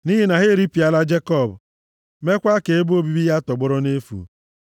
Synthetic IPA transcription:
ni˦ɦi˦na˨ɣɪ˦ɾi˦pi˨a˦la˦d͡ʒe˦kɔ˦˨bʊ˨ | me˦kʷa˦ke˨e˦bo˦bi˦bi˦ja˦tɔ˨ɡ͡bɔ˦ɾɔ˦ne˦fṵ˨

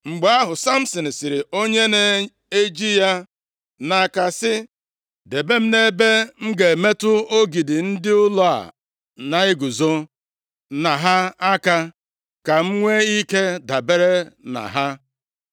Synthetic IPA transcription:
ŋ͡m̩˨ɡ͡ba˦a˦ɦʊ˨sa˦m̩˦sɔ˨n̩˨si˨ɾɪ˨o˦ɲe˦ne˦ | e˦d͡ʒi˦ja˦ | na˨ka˨sɪ˦ | de˨be˦m̩˦ne˦be˦ŋ͡m̩˦ɡe˨me˦tʊ˦o˦ɡi˨dɪ˨n̩˦dɪ˦ʊ˦lɔ˦˨a̰˨ | na˨ɪ˦ɡu˨zo˦ | na˨ɦa˦a˦ka˦ | ka˨ŋ͡m̩˦ŋʷe˦i˦ke˦da˨be˦ɾe˦na̰˨ɦa˦

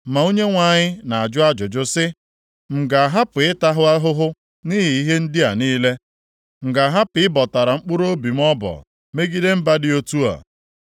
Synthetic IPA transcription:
ma˨u˦ɲe˦ŋʷa˨ɲɪ˦na˨a˨d͡ʒʊ˦a˦d͡ʒʊ˨d͡ʒʊ˦sɪ˦ | ŋ͡m̩˨ɡa˨a˨ɦa˦pʊ˨ɪ˦ta˦ɦʊ˦a˦ɦʊ˦ɦʊ˦ | ni˦ɦi˨i˦ɦe˦n̩˦dɪ˦a˨niː˦le˦ | ŋ͡m̩˨ɡa˨ɦa˦pɪ˨˦ɪ˦bɔ˨ta˨ɾa˨ŋ͡m̩˦k͡pʊ˦ɾo˦bi˨m̩˦ɔ˦bɔ̰˨ | me˦ɡi˦de˦m̩˦ba˦dɪ˦o˦tu˦a̰˨

